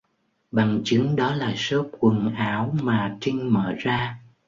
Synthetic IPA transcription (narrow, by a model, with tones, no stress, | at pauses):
ɓa˨˩ŋt͡ɕɨ˨˦ŋɗɔ˨˦laː˨˩so˦˥p̚kwə˨˩nʔaː˨˦wmaː˨˩t͡ɕï˧ŋ̟mə̰ː˧˩zaː˧